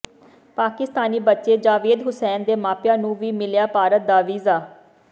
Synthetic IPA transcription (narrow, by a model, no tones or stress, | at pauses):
paːkɪst̪aːniːbətːʃeːd͡ʒaːʋeːd̪ɦʊsɛːnd̪eːmaːpjãːnũːʋiːmɪljaːpaːɾət̪̚d̪aːʋiːzaː